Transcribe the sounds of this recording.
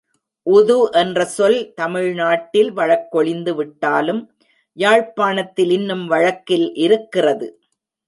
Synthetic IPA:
ʔʊðuʔɛndrɐsɔlt̪ɐmɪɻnaːʈːɪlʋɐɻɐkːɔɭɪnd̪ɯʋɪʈːaːlɯm | jaːɻpaːnɐt̪ːɪlɪnːɯmʋɐɻɐkːɪlʔɪɾɯkːɪrɐðɯ̰

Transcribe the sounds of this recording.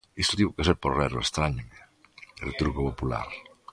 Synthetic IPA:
ist̪ot̪iβokes̬eɾpoɾrɛɾoest̪ɾaɲome | ḛwt̪uɾkopopula̰ɾ

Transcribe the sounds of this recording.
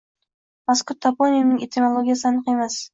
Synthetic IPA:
maskʊɾt̪ʰːapʰonʲijnɪŋʲet̪ʰimʲolˠoɡʲijasɪanɨqe̞mas

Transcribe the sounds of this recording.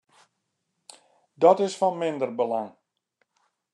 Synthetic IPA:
dɔtɪsfɔnmɪndərbəlaŋ

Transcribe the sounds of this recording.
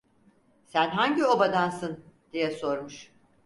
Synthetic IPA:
sænɦaɲɟio̞bad̪ansɯnd̪̥ijɛso̞ɾmuʃ

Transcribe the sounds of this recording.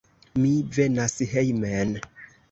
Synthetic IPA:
mive̞nasɦejmen

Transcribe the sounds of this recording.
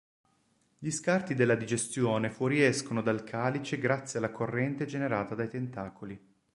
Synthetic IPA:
ʎiskart̪id̪elːad̪id͡ʒest̪joːnefwɔɾiɛskonod̪alkʰaːlit͡ʃeɡɾat̪sːjealːakʰorːɛnt̪ed͡ʒeneɾaːt̪ad̪ajt̪ent̪aːkʰoli

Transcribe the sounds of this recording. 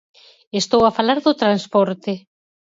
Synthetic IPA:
est̪owafalaɾðʊt̪ɾanspɔɾt̪ɪ

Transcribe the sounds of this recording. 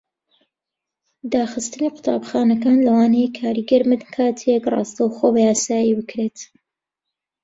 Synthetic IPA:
d̪aːxɨst̪ɨniqʊ̥t̪ʰa̰ːbxaːnɐkaːnlɐwaːnejkʰaːɾiɡɐɾmɨd̪kʰaːt̪ʰekrɑ̰ːst̪ɐwxobɐjaːsaːjibɨkɾet̪

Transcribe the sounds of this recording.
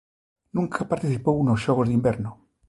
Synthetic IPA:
nũŋkʰapaɾt̪iθipounosʃoɣ̞ozðimbeɾno

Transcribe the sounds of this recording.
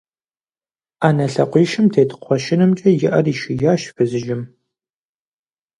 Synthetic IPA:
aːnɐɬɐqʷiːʃɪmtʰeːtʰqʷɔʃɪnɨmt͡ʃʼɐjɪʔɐriːʃɪjaːʃfɨzɨʒɪm

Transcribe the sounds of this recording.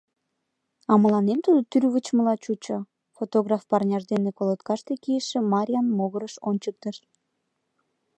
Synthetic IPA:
ɑməlɑnemt̪ud̪ot̪yrβət͡ɕməlɑt͡ɕut͡ɕo | fot̪oɣrɑfpɑrnʲɑʒd̪enekolot̪kɑʃt̪ekiəʃĕmɑɾʲiɑnmoɣəɾəʃonʲt͡ɕək̚t̪əʃ

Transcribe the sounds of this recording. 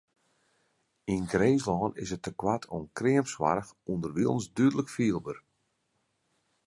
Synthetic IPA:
inɡreːslɔːnɪ̰sətːəkwatʰonkrɪəmpsʋa̰ɾəxundərʋilˠnsdyədələkfiəlˠbər

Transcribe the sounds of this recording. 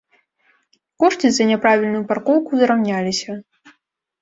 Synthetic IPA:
kɔʂtʲizɐnʲɛpɾavʲilʲnujuparkɔwkuzɾawnʲalʲisʲɐ

